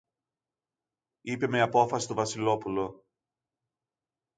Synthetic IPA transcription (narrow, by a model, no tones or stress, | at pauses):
ipe̞meɐpo̞fɐsist̪ovɐsilo̞pulo̞